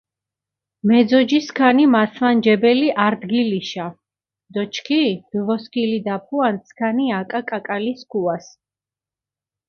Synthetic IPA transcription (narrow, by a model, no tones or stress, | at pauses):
mɛd̪zɔd͡ʒiskʰanimasʰvand͡ʒɛbɛliʔaɾd̪ɡiliʃa | d̪̥ɔt͡ʃʰkʰib̥vɔskʰʼilid̪apʰuant̪sʰkʰaniakʼakʼakʼaliskʰuas